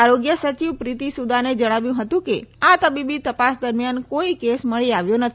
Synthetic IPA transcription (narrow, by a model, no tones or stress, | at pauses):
aɾoɡjəsət͡ʃiʋpɾit̪isud̪ʱaned͡ʒəɽ̃aʋjũɦət̪ũkeat̪əbibit̪əpasd̪əɾmjankoikesməɭiaʋjonət̪ʰ